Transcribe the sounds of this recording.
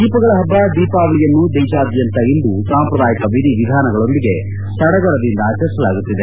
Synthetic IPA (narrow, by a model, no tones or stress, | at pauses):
d̪iːpɐɡɐɭɐɦɐbːɐd̪iːpaːʋɐɭijɐnːud̪eːt͡ʃaːd̪jɐnt̪ɐind̪usaːmɐpɾɐd̪aːjikɐʋid̪ʱiʋid̪ʱaːnɐɡɐɭo̞nd̪iɡe̞ | sɐɽɐɡɐɾɐd̪ind̪ɐːt͡ʃɐɾisɐlaːɡut̪ːid̪e̞